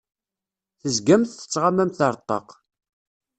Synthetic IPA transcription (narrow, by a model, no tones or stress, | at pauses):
θəzɡæmθθə̥t͡sːʁamæmθəɾˤt̪ˤːɑ̰q